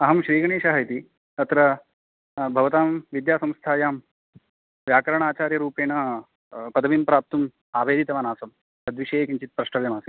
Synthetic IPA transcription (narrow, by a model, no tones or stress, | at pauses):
ɐɦɐmʃɾiːɡɐɳ̃eːʃɐɦɐjt̪i | ɐt̪ɾɐ | bʱɐʋɐt̪aːmʋid̪jaːsɐ̃mst̪ʰaːjaːm | ʋjaːkɐɾɐɳ̃aːt͡ʃaːɾjɐɾuːpeːnɐ | pɐd̪ɐʋimpɾaːp̚t̪um | aːʋeːd̪ʱit̪ɐʋaːnaːsɐm | ɐd̪ʋiʃeːkiɲt͡ʃit̪̚pɾɐʂʈɐʋjɐmaːsi